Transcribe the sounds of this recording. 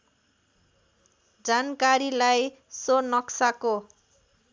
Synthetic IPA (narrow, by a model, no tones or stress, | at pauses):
d͡zankaɾilaj | sonʌksako